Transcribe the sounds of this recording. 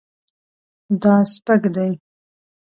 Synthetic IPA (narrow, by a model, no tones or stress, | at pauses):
d̪ɑspəkd̪aj